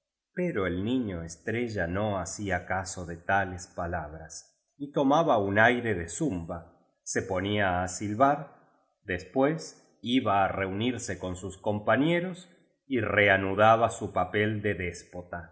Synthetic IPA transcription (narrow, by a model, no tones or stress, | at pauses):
peɾo̞elnĩɲoest̪ɾeʒanoasiakaso̞ðet̪alespalaβɾas | it̪o̞maβaunajɾeðesumba | sepo̞niaːsilβaɾ | ðespwes | iβaːre̞uniɾseko̞nsusko̞mpaɲeɾo̞s | ireanuðaβasupapeld̪eðespot̪a